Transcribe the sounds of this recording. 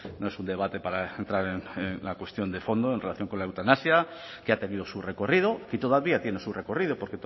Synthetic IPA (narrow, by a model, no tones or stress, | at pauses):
noe̞sund̪e̞β̞at̪e̞paɾaent̪ɾaɾenenlakwest̪jo̞nd̪e̞fo̞nd̪oenrelaθjo̞ŋko̞nlaewt̪anasja | keat̪e̞niðo̞sure̞ko̞rið̞o̞kit̪o̞ðaβiat̪je̞nesure̞ko̞rið̞o̞po̞ɾket̪